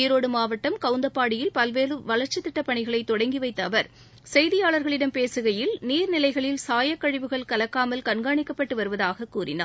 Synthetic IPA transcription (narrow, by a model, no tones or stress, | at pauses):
jɪɾoːɽɯmaːʋɐʈːɐmkɐʊnd̪ɐpːaːɽɪjɪlpɐlʋeːɾɯʋɐlɐɾt͡ʃɐt̪ːɪʈːɐpːɐɳɪɣɐɭɐɪt̪ːɔɽɐŋɡiʋɐɪt̪ːɐʋɐɾ | sɛjðɪjaːɭɐɾɣɐɭɪɽɐmpeːsɯɣɐjɪlniːɾnɪlɐɪɣɐɭɪlsaːjɐkːɐɻɪʋɯɣɐɭkɐlɐkːaːmɐlkɐɳɡaːɳɪkːɐpːɐʈːɯʋɐɾɯʋɐðaːɣɐkːuːrɪ̰na̰ː